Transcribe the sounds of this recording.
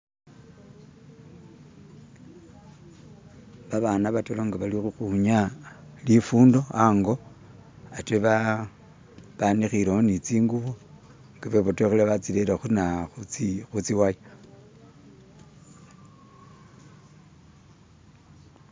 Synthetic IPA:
βaβanaβatoloŋɡaβalixuxuɲalifuːndo̞aŋɡo̞ | ateβa | βanixileonit͡siːŋɡuβu | ŋɡaβeβotoxeleβat͡silelexunaxut͡sixut͡siwaj

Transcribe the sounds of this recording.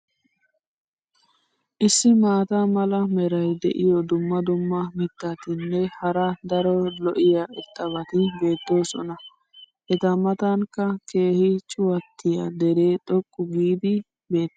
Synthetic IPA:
ʔɪsːɪmaːt̪ɐmɐlɐmɛɾɐjd̪ɛ̰ʔɪjɔd̪ʊmːɐd̪ʊmːɐmɪt̪ːat̪ɪnːɛhɐɾɐd̪ɐɾɔlɔʔɪjaʔɛt̪ʼːɐβɐt̪ɪbe̞ːt̪ːo̞ːsɔ̰nɐ | ʔɛt̪ɐmɐt̪ɐŋkːɐke̞ːhɪt͡ʃʼʊwɐt̪ːɪjɐ̰d̪ɛɾe̞ːt̪ʼɔkʼːʊɡiːd̪ɪ | be̞ːt̪ː

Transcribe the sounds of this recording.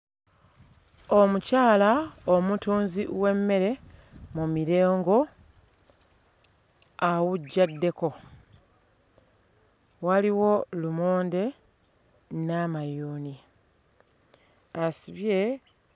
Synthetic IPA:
omucaːlaomutuːnzḭwe̞mːe̞ɾe̞mumiɾe̞ːŋɡo̞ | awuɟːadːe̞ko̞ | waliwo̞lumoːnde̞ | namajuːni | asiβje̞

